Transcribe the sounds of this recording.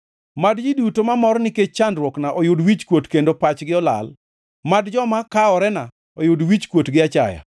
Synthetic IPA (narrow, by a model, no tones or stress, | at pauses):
madd͡ʒidutomamɔrnɪket͡ʃt͡ʃːandɾwɔknaʔɔjʊdwit͡ʃkwotkendopat͡ʃɡɪɔla̰l | madd͡ʒɔmakaɔɾɛna | ɔjʊdwit͡ʃkwotɡɪat͡ʃa̰ja̰